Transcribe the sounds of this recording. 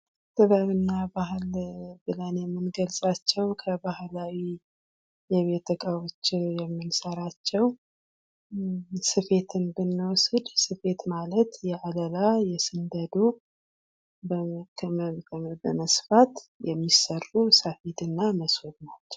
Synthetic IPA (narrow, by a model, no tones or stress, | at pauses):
t̪ʼɨβəβɨnːabaɦɨlbɨlənjɛmːɨnɡəlsʼat͡ʃːɛwkʰəbahlawi | jɛβe̞t̪ʰəkʼawot͡ʃːjɛmːɨnsəɾat͡ʃːɛw | sɨfe̞t̪ʰɨnbɨnːwɔsɨd̪sɨfe̞t̪malət̪jɛʔaləlajɛsɨnd̪əd̪u | bkʰməbəməsfat̪jɛmːisərusəfid̪ɨnːaməswod̪nat͡ʃːɛ̥w